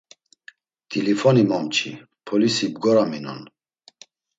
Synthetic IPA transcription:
d̪̥ilifɔnimɔmt͡ʃʰḭ | pʰɔlisibɡɔɾaminɔ̰n

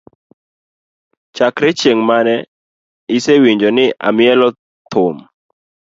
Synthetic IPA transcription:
t͡ʃakɾɛt͡ʃeŋmanɛ | ɪsewiɲd͡ʒɔnɪʔa̰mɪɛlɔ | t̪ʰʊm

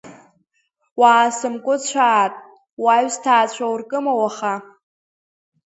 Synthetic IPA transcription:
waːsɨmkʷʼʊt͡ɕʷʰaːtʼ | waɥstʰaːt͡ɕʷʰawrkʼɨmawaχa

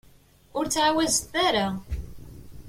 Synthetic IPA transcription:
ʊɾt͡sːʕawæzθθæɾa

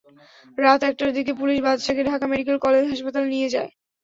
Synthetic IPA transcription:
ɾat̪ɛk̚ʈaɾd̪ikepuliʃbad̪ʃaɡeɖʱakameɖik̬elkɔled͡ʑɦaʃpat̪alnijed͡ʑae

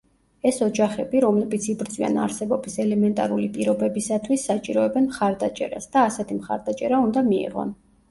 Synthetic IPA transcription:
ɛsɔd͡ʒaχɛbiɾɔmlɛbit̪sʰibɾt̪zʼwia̰na̰ɾsɛbɔbisɛlɛmɛnt̪ʼaɾulipʼiɾɔbɛbisat̪ʰwisːat͡ʃʼḭɾɔɛbɛnmχaɾd̪at͡ʃʼɛ̰ɾa̰sd̪̥aːsɛt̪ʰimχa̰ɾd̪at͡ʃʼɛɾaund̪amiḭʁɔ̰n

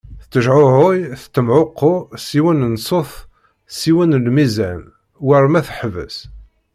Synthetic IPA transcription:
θt͡sːəʒʕʊʕʊjθt̪ːəmʕoqːʊsiwənənsˤoθ | siwənlmizæn | wəɾˤmæθħvə̰s

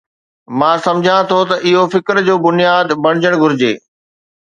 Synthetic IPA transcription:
mãːsɐmd͡ʑʱãt̪ʰot̪ɐʔɪɦofɪkɾd͡ʑoːbʊnijaːd̪bɐɽ̃ɪd͡ʑəɽ̃ɡʱʊɾɪd͡ʑḛː

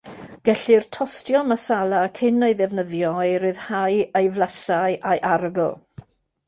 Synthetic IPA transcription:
ɡ̥ɛɬirtʰɔstjɔmasalˠakʰɪnejðɛvnəðjɔjɾɨðhajejvlˠasaɨʔajʔaɾəɡəlˠ

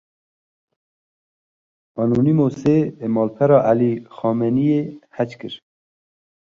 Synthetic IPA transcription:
ɑːnunimoseemɑːlpʰɛɾɑːʔæliːxɑːmɛnijeːhæt͡ʃkɨɾ

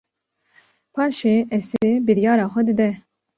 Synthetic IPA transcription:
pʰɑːʃeːʔɛsebɨɾjɑːɾɑːxʷɛd̪ɨd̪ɛ

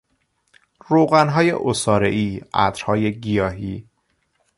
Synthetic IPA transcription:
ɾoɣænɦɒːje̞̰ʔosɒːɾḛʔiːʔæ̰d̪ɾhɒːje̞ɟijɒːɦiː

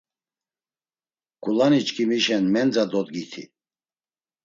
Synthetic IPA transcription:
ɡ̥ulanit͡ʃkʰimiʃɛnmɛnd͡zad̪ɔd̪ɡit̪ʰḭ

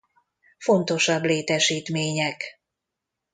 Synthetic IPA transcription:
fo̞nt̪o̞ʃɒbleːt̪ɛʃiːt̪meːɲɛk

